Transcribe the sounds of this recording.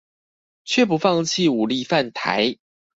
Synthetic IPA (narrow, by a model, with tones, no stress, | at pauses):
t͡ɕʰɥɛ˥˩pu˨˧˦fɑ˥˧ŋt͡ɕʰi˥˨u˨˩li˥˧fa˥˨nt̪ʰa̰˧˦ɪ